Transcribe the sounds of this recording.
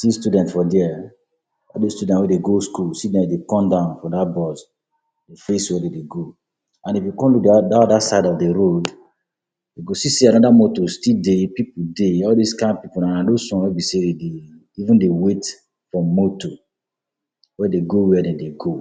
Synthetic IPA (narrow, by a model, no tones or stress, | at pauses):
sistudɛ̃ntfɔdɛɛ | ɔldestudɛ̃twɛdeɡoskulstidɛ̃dekɔ̃mdãʊ̃nfɔ̃dabɔs | defeswɛdedeɡo | ãnifjukɔ̃nlukdadaɔdasadɔdeɾod | deɡosisianɔdamotostidepipudeɔldiskãɪ̃npipunãnãdosɔ̃nwɛbiseede | ivũndewet | fɹɔ̃ːoto | wɛdeɡowɛdɛ̃deɡo